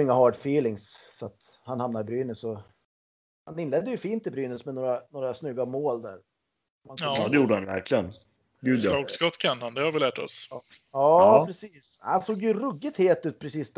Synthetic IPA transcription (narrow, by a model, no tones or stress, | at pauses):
ɪŋːaɦɑːɖfiːlɪŋsːat̪ | hanhamnaɾbɾyːnəsɔ | hanɪnlɛd̪ːəjɵfiːnt̪ɪbɾyːnəsmɛnoːɾanoːɾasnʏɡːamoːld̪æ̰ːɾ | mad̪ɛjuːɖəhanvæ̰ɾklɪɡən | ɡʉ̟ːd̪jɔʊkskɔt̪kʰɛnand̪ɛhaɾvɪlæːʈɔ̰sɑːpʰɾɛsiːsha̰nsoːɡjɵɾɵɡːɪt̪heːlt̪ʉ̟ːt̪̚pʰɾɛsiːsd̪